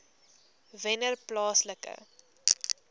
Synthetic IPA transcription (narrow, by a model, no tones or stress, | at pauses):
vɛnərplɑːsləkə̰